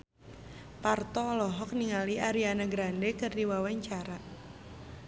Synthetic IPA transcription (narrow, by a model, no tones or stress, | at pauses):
part̪ɔːlɔɦɔk̚niŋaliʔaɾianaɡɾandɛkɨrdiwawaɲt͡ʃaɾa